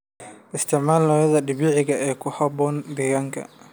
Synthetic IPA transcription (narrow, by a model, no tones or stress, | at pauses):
ʔɪst̪ʰɪʕmaːlɔɐðɐɖɪβɪʕɪɣɐʔɛːkʰʊhɐbɔːnd̪ɛɣaːŋkʰɐ̰